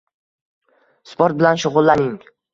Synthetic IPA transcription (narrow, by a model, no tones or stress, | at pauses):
spʰoɾt̪̚bɪlanʃʊʁʊlˠːanɪŋ